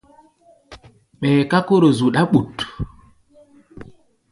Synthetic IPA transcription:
ɓɛ˨ka˦ko˦ɾo˨zu˨ɗa˦ɓu˨t

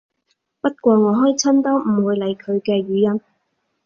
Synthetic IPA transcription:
pɐ˥t̚kʷɔː˧ŋɔː˨˧ɦɔː˥jt͡sʰɐ˥nt̪ɐ˥wm̩˨˩wuː˨˧jle˨˧jkʰɵ˨˧ɥkɛː˧ɥyː˨˧jɐ˥n

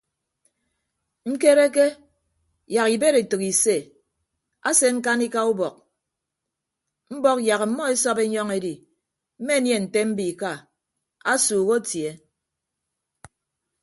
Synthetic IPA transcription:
ŋ̩˦ke˦ɾe˦ke˦ | ja˨ɣi˨be˦ɾe˨tɨ˨ki˨se˦˨ | a̰˦se˦ŋ̩˦ka˦ni˦ka˦u˦bɔ˨k̚ | m̩˦bɔ˦k̚ja˨ɣ̩˨˦mɔ˦e˦sɔ˦be˦ɲɔ˦ŋe˦di˨ | m̩˦me˦nje˦˨n̩˨te˦m̩˦bi˨ka˦ | a˦suː˨ɣo˦tje˦

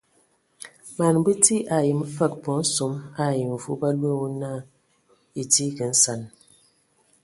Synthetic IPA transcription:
ma˨n˦bɨ˦ti˦ʔa˨ji˨m̩˦fə˦˨k̚bɔ˨˦n̩˦so˨˦ma˦˨ji˨m˨fu˦ba˦lwe˦˨wu˦na˦˨ | i˨ti˦kə˨n̩˦sa˨n

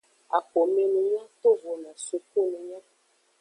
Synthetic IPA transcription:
a̰˨k͡po˨mɛ̃˦nũ˨ɲã˦t̪o˦vo˨nã˨su˨ku˦nũ˨ɲã˦

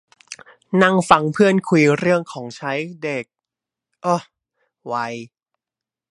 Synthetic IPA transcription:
na˥˩ŋfa˧ŋpʰɯ˥˩ənkʰu˧jɾɯ˥˩əŋkʰɔː˩˦ŋt͡ɕʰa˦˥jde˨˩k̚ | ʔoː˧˩ | wa˧j

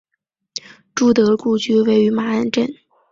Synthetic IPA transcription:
ʈ͡ʂu˥˩t̪ɤ˧˥ku˥˧t͡ɕy˥˧we˥˩ɪy˧˥ma˧˥ə˥nʈ͡ʂə˥˩n

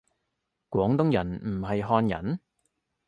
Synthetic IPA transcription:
kwʷɔː˨˥ŋt̪ʊ˥ŋjɐ˨˩nm̩˨˩ɦɐ˨jɦɔː˧njɐ̰˨˩n

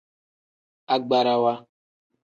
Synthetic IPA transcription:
a˨ɡ͡ba˨ɾa˨wa˦

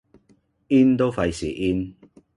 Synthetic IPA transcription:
i˦nt̪o˦fa˧jsḛ˨˩ʔi˧n

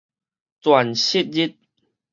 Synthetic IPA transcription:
t͡swa˨˩nɕi˦t̚zi˦˥t̪̚

